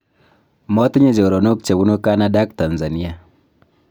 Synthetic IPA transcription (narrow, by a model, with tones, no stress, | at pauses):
mo˦ti˦ɲe˦˨d͡ʒo˨ɾo˨no˦k̚t͡ʃe˨bu˦no˦ka˦na˦da˦k̚ta˨nza˨ni˦a˨